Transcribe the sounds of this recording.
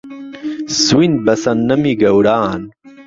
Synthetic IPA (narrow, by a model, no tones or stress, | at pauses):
swin̚bɐsɐnːɐmiɡɐwɾaːn